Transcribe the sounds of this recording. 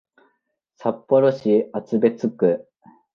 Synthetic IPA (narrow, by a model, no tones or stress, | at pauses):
sapːo̞ɾo̞ɕiat͡sɨbe̞t͡sɨkɯ